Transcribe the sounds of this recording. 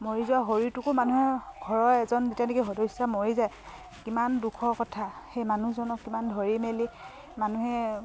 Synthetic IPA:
moɹizɔaɦoɹitʊkʊmanuɦɛɡʱɔɹɔɛzɔnzitjanekiɦɔdɔjsamoɹizaj | kimandukʰɔkɔtʰaxejmanuzɔnɔkːimandʱɔɹimeli | manuɦɛ

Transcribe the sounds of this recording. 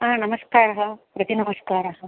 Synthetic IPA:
aːnɐmɐskaːɾɐɦɐpɾɐt̪inɐmɐskaːɾɐɦɐ

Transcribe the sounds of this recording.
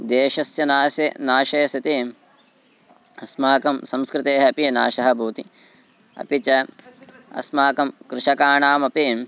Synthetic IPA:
d̪eːʃɐsjɐnaːsɐnaːʃɐːsɐt̪i | ɐsmaːkɐmsɐ̃mskɾɪt̪eːɦɐɐpina̰ːʃɐɦɐ̆bʱuːt̪i | ɐ̰pit͡ʃɐ | ɐ̰smaːkɐmkɾɪʃɐkaːɳaːmɐpi

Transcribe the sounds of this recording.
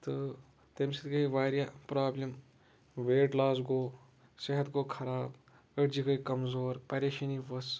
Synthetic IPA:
t̪ɨ | t̪emsit̪ɡɐiʋaːɾijaːpɾaːblʲɐm | ʋeːʈlaːzɡoː | sɐɦɐt̪koːkʰɐɾaːb | ɐʈd͡ʒikɐikɐmzoːɾpɐɾeʃɐniʋɐs

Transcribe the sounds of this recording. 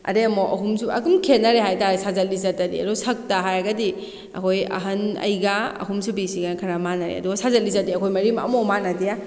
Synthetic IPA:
ɐ̰deɐmoʔɐ̰ɦumsuɐ̰ɡumkʰenːaɾeɦajtaɾsazɐt̚lːizatadḭɐ̰dusɐk̚taɦajɐɡɐdi | ɐ̰kʰojɐ̰ɦɐnɐ̰jɡaɐ̰ɦumsubisiɡankʰɐɾamanɐɾḛɐ̰duɡasazɐlizadiɐkʰojmɐɾimɐ̰momanɐdija

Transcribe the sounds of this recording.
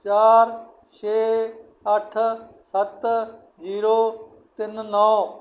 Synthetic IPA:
t͡ʃaːɾ | t͡ʃʰeː | əʈʰ | sət̪ | d͡ʒiːɾoː | t̪ɪnːɔː

